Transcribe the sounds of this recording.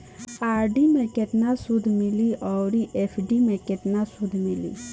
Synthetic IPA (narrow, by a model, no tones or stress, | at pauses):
aːɾɖimekeʈnasud̪ʱmiliʔɔwɾiʔepʰɖimekeʈnasud̪ʱmilḭ